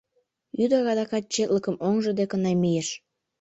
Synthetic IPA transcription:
yd̪ɑɣɑd̪ɑkɑt̪̚t͡ɕet̪ləkəmoŋʒə̆d̪ekənɑmijeʃ

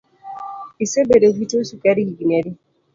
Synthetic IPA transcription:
isebeɾeɡʷutosukaɾiɡiɡineɾi

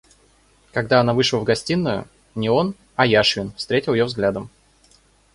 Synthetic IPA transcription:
kɐɡ̚d̪aɐnavɨʂlˠəvɡɐsʲtʲinːʊjʊ̰ | nʲɪo̞n | ɐjaʂvʲɪnfst̪ɾʲetʲɪlˠjovzɡlʲad̪əm

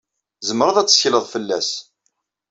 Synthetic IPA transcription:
zəmɾˤəðˤæt͡sːə̥çləðˤfəlːæ̰s

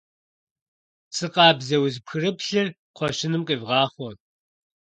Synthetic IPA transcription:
sɨqɑːbzɐwzpxɨrɨpɬɨr | qʷɔʃɪnɨmqʼivʁɑːχʷɔn

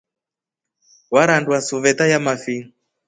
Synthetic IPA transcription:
waɾandwasuvɛt̪ajamafin

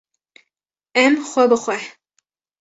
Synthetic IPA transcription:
ɛmxʷɛbɨxʷɛ

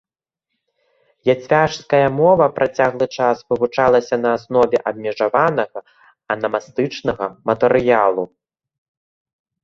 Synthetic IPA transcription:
jat͡sʲvʲaʂskɐjɐmɔvɐpɾʔat͡sʲaɣlˠɨt͡ʂasvɨvut͡ʂalˠɐsʲɐnɐːsnɔvʲɛʔɐbmʲɛʐavanɐɣɐ | ɐnɐmast̪ɨt͡ʂnɐɣɐmɐt̪ɛɾɨjalˠu

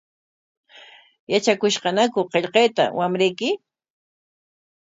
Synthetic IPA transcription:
jat͡ʃakʊʃqɑnakʊqeʎqejt̪a̰wamɾejkɪ

